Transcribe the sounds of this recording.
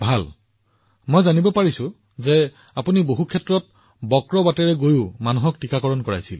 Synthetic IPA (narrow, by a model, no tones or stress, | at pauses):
bʱal | mojzanibɔpaɹisʊ | zɛ | apuniboɦukʰɛtɹɔt̚ | bɔkɹɔbatɛɹɛɡojʊmanuɦɔk̚tikakɔɹɔnkɔɹa̰jsil